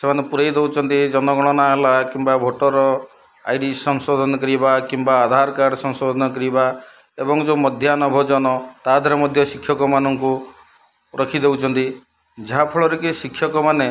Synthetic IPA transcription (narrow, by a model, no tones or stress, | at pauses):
semanepuɾejd̪ewt͡ʃʰɔnt̪id͡ʒɔnɔɡɔɽ̃ɔñaɦelakimbabʱoʈɔɾɔ | a̰jɖisɔŋsod̪ʱɔnɔkɔɾibakimbaːd̪ʱaɾkaɾsɔŋsod̪ʱɔnɔkɔɾiba | ebɔŋd͡ʒomɔd̪ʱjanɔbʱɔd͡ʒɔnɔt̪ad̪ʱɔɾɔmɔd̪ʱjɔsikʰːjɔkɔmanɔŋku | ɾɔkʰid̪ewt͡ʃʰɔnt̪i | d͡ʒaɦapʰɔɭɔɾekisikʰːjɔkɔmane